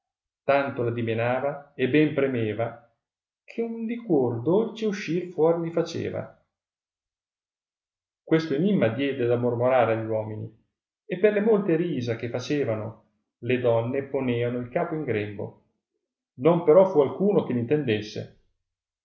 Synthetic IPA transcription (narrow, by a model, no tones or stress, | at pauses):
t̪ant̪olad̪imenaːvaebɛmpɾemeːva | kʰeund̪ikword̪olt͡ʃeuʃːirfwɔːɾilifat͡ʃḛːva̰ | kwest̪oenimːad̪jɛːd̪ed̪amormoɾaːɾeaʎːwɔːminḭ | epːerlemolt̪eɾiːzak̟efat͡ʃeːvano | led̪ɔnːeponeːvanoilkaːpoiŋɡɾɛmbo̰ | nompeɾɔfualkuːnok̟elint̪end̪esːḛ